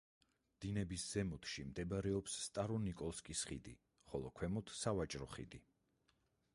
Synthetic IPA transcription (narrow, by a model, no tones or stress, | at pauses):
d̪̥inɛbisz̥ɛmɔt̪ʰʃimd̪ɛbaɾɛɔpsːt̪ʼaɾɔnikʼɔlˠskʼisχḭd̪ḭ | χɔlˠɔkʰwɛmɔt̪ʰsavat͡ʃʼɾɔχḭd̪i